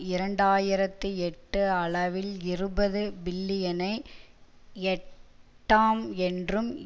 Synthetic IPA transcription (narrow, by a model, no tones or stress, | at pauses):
ɪɾɐɳɖaːjɪɾɐt̪ːɯɛʈːɯɐɭɐʋɪlɪrɯbɐðɯbɪlːɪjɐnɐɪ | ɛʈːaːmɛndrɯm